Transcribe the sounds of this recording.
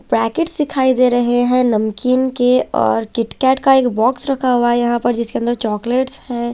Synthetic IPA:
pɾɛːkeʈsd̪ɪkʰaːid̪eːɾɐɦeɦɛ̃nɐmkiːnkeɔ̰ːɾkɪʈkɛːʈkaeːkbɔːksɾɐkʰaɦuaɛjɐɦãpɐɾd͡ʒɪskeɐ̃nd̪əɾt͡ʃɔːkleːʈshɛ̃ː

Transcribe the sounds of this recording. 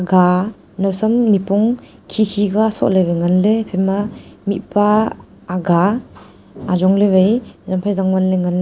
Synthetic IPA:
aɡa | nawsamnipɔŋ | kʰikʰiɡasɔ̰ʔlebajŋanlepʰemamitpaː | ɡa | azɔŋleβajzampʰajzaŋbanleŋanle

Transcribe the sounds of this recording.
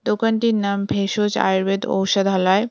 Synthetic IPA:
d̪okanʈiɾnambʱeʃot͡ɕa̰jɾbed̪o̰wʃad̪ʱɔlae

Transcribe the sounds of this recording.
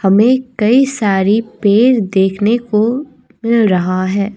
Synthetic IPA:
hɐmẽkɐisaːɾipeːɾd̪eːkʰneko | mɪlɾɐɦaɦɛː

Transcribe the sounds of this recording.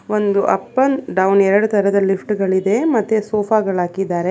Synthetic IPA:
ond̪uʔɐ̰pːɐnɖɐwnɛɾɐɽut̪ʰɐɾɛd̪ɐlipʰʈɡɐɭid̪e̞mɐt̪ːesoːpʰaːɡɐɭaːkid̪aːɾe

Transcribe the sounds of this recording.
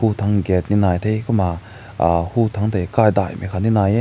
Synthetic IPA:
hut̪ʰaŋɡɛt̪̚ninajt̪ʰejkuma | hut̪ʰaŋt̪ʰekajd̪a̰jmʔikʰaninaje

